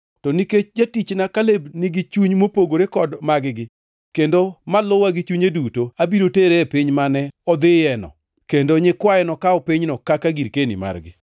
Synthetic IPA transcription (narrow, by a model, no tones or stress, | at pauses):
tɔniket͡ʃd͡ʒatit͡ʃnakalebnɪɡɪt͡ʃuɲmopoɡoɾekɔdmaɡɪɡɪ | kendomalʊwaɡɪt͡ʃuɲedutoabiɾoteɾepiɲmanɛɔd̪ɪjɛnɔ̰ | kendoɲɪkwajɛnɔkaɔpiɲnɔkakaɡiɾkenḭma̰rɡɪ̰